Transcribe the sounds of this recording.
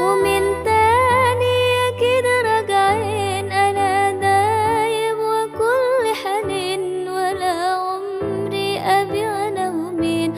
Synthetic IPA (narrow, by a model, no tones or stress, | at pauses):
wɪmɪnt̪aːniakɪd̪ɾˤɑɡʕinʔanad̪aːjɪbwɪkʊlːɪħalɪn | walaʕʊm | ɾiʔabiɣanamʊmin